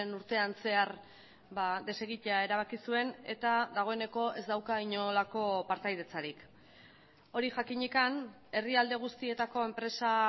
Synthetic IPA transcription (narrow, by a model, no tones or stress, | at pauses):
nuɾt̪e̞anse̞aɾ | bad̪e̞se̞ɣit̪eae̞ɾaβ̞akisue̞ne̞t̪ad̪aɣ̞o̞e̞ne̞ko̞e̞zd̪awkaiɲolako̞paɾt̪ajðe̞t͡saɾik | o̞ɾiʝakiɲikan | e̞riald̪e̞ɣ̞ust̪ie̞t̪ako̞e̞mpɾe̞sa